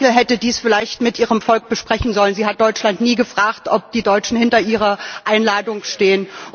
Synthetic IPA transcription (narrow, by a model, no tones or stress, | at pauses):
l̩ɦɛtədiːsfɪlaɪçtmɪtʔiːʁəmfɔlk̚b̥əʃpʁ̥ɛçn̩zɔlənziːɦat̚d̥ɔʏt͡ʃlantniːɡəfʁ̥aːktʔɔp̚d̥iːdɔʏt͡ʃn̩hɪntɐʔiːʁ̞ɐʔaɪnlaːdʊŋʃteːən